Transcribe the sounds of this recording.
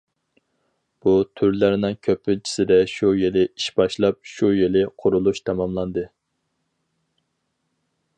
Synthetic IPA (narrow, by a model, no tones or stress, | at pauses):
b̥ut̪ʰyɾlæɾnɪŋkʲʰøpʰːɪt͡ʃʰi̥sɪd̪ɛʃujelɪiʃbɑʃlˠɑp̚ʃujelɪqʰʊɾulˠuʃt̪ʰɑmɑmlˠɑnd̪ɨ